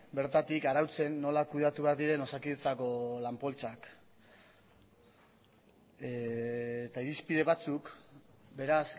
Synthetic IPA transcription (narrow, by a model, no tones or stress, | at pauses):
be̞ɾt̪at̪ikaɾawt͡se̞nːo̞lakuð̞at̪uβeaɾd̪iɾe̞no̞sakiðet͡sako̞lampo̞lt͡sak | t̪aiɾispið̞e̞βat͡suk | be̞ɾas